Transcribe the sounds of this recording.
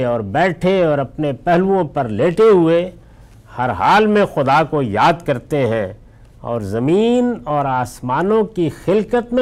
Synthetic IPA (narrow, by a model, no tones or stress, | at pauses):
ɔːɾbɛːʈʰeɔːɾɐpnepɛɦluõpɐɾleːʈeɦʊe | hɐɾɦaːlmẽxʊd̪akojaːd̪̚kɐɾt̪eɦɛ̃ | ɔ̰ːɾzɐmiːnɔːɾaːsmaːnõkixɪlkət̪mẽ